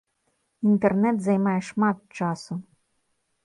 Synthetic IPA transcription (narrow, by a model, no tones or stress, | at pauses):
int̪ɛrnɛt̪zɐjmajɛʂmat̪̚t͡ʃasʊ